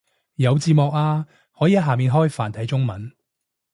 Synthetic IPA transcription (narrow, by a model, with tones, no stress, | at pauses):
jɐ˨˧wt͡siː˨˧mɔː˨k̚aː˧ | hɔː˨˥jiː˨˧ɐ˥ɦaː˨miː˨nɦɔː˥jfa̰ː˨˩nt̪ʰɐ˨˥jt͡sʊ˥ŋmɐ˨˥n